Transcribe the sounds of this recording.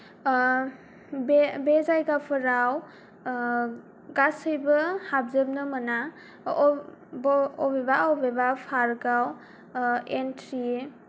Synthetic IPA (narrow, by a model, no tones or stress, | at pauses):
bebezajɡapʰəɾaw | ɡasəjbəhab̚zəp̚nɯməna | bɔbebaɔbebapʰaɾɡaw | entʰɾi